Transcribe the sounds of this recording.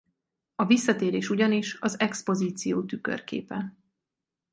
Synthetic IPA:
ɒvisːɒt̪eːɾeːʃuɟɒniʃɒzɛkspo̞ziːt̪sijoːt̪ykø̰rkḛːpɛ

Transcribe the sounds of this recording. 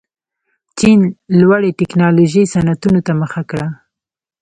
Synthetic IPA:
t͡ʃinlwaɽeʈɪknɑloʒisanat̪unot̪aməxakɽa

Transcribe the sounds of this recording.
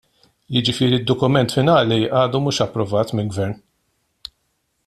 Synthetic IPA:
jɪd͡ʒɪfɪːɾiɪd̪ːɔkʊmɛnt̪fɪnɐːliɐːd̪umuːʃɐpːɾɔvɐːt̪mɪlɡvɛɾn

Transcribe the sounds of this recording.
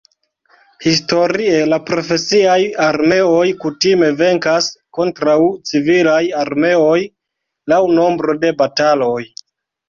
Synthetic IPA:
his̬to̞ɾie̞lapɾo̞fe̞siajaɾme̞o̞jkutime̞ve̞ŋkasko̞ntɾawt͡sivilajaɾme̞o̞j | lawno̞mbɾo̞de̞batalo̞j

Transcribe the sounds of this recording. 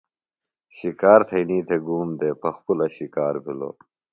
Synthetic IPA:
ɕikaːɾt̪ʰɐjniːt̪ʰeɡuːmd̪eːpʰɐxpulɐɕikaːɾbilo̰ː

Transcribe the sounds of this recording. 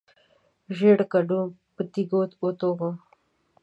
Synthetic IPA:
ʒeɽkaɖũpət̪iɡot̪ot̪oɣo

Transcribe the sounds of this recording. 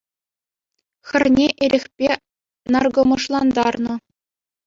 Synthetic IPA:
xʲɘ̆rʲnʲeʔɘɾʲĕxʲpʲe | nɑrɡŏmɤ̆ʂlˠɑnd̪ɑrnɤ̆

